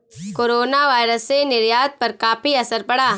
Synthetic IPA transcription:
koːɾoːnaʋaːɪɾəsːenɪɾjaːd̪̚pɐɾkaːfiɐsəɾpɐɽaː

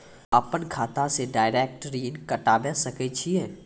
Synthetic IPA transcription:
əpənkʰaːt̪aseɖaːɪɾeːk̚ʈɾiːnkəʈaːbẽsəket͡ʃʰiɛː

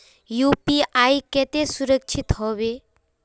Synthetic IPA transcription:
juːpiaːiket̪esuɾəkt͡ʃʰit̪ɦoːʋe

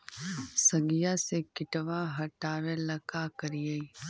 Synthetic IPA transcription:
sɐɡijasekɪʈʋaɦɐʈaːʋelɐkakɐɾijəi

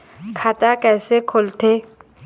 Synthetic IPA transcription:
kʰaːt̪akɛːsekʰolt̪ʰeː

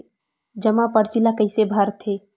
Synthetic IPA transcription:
d͡ʒəmapəɽt͡ʃilakəɪsebʱəɾt̪ʰe

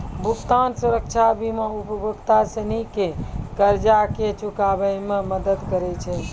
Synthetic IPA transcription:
bʱukt̪ansuɾəkt͡ʃʰabʱimeupəbəkt̪asənikekəɾd͡ʒaket͡ʃukabəjmeməd̪əd̪kəɾɛt͡ʃʰɛ

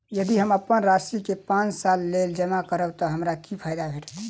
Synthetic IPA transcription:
jəd̪iɦəməpːənɾasikepãt͡ʃsalːeld͡ʒəmakəɾəbt̪ɔɦəmɾakipʰajd̪abʱeʈ

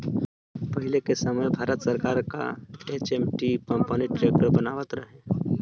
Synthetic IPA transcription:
pəɦɪlekesəməjbʱaːɾət̪səɾkaːɾka̰et͡ʃemʈikəmpəniʈɾeːkəɾbənaːʋət̪ɾəɦẽ

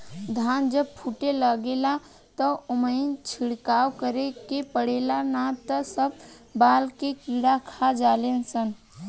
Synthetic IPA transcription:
d̪ʱand͡ʒəb̚pʰuʈeləɡela | t̪əomənt͡ʃʰiɽkawkəɾekepəɽelanat̪əsəb̚ | balkekiɽakʰad͡ʒalensən

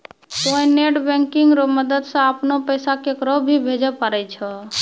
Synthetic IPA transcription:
koĩneʈbɛ̃ŋkiŋɡɾoməd̪əd̪sə̃əpnopəjsakekɾəbʱibʱed͡ʒəpəɾɛt͡ʃʰə

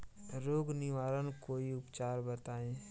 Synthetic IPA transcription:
ɾoːɡnɪʋaːɾənkoːiʊpt͡ʃaːɾbət̪aːẽː

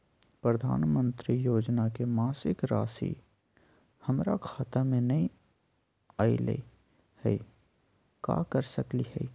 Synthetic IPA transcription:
pɾəd̪ʱa̰ːnmə̃nt̪ɾijoːd͡ʒnakemaːsɪkɾa̰ːsḭ | hɐmɾakʰaːt̪amẽnɐɦĩ | aːḭlḛ | hɛ | ka̰kəɾsəkliɦɛ̰i

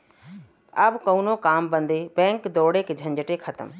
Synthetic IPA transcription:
ɐbkɐunokaːmbɐ̃nd̪ebɛ̃ːŋkd̪oːɽeked͡ʑʱɐ̃ɲd͡ʑɪʈekʰɐt̪əm

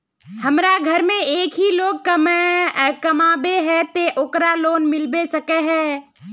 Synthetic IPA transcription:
həmɾaɡʱəɾmẽeːkɦiloːɡ̚kəm | kəmaːbeɦɛ̃t̪eʔokɾaloːnmɪlbesəkeɦɛː

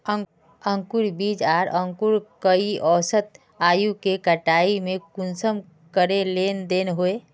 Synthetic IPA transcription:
ə̃ŋkuɾbiːd͡ʒaːɾə̃ŋkuɾkəiʔɔːsət̪ | aːjukekəʈaːimẽkʊnsəm | kəɾeleːnd̪eːnɦoe

